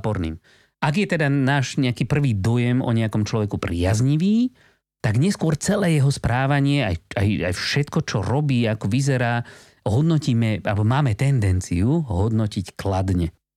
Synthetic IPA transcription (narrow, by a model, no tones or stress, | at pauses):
pɔɾnḭːm | ʔaɡjɛt̪ɛd̪anaːʒɲɛakiːpr̩ʋiːd̪ɔjɛmɔ̰ɲɛakɔmt͡ʃlɔʋɛkupɾɪazɲiʋiː | t̪aɡɲɛskʊɔɾt͡sɛlɛːjɛɦɔspɾaːʋaɲɪɛa̰ja̰ja̰jfʃɛt̪kɔt͡ʃɔ̰ɾɔbiːakɔʋizɛɾaː | ɦɔd̪nɔciːmɛa̰lbɔmaːmɛt̪ɛnd̪ɛnt͡siuɦɔd̪nɔcicklad̪ɲɛ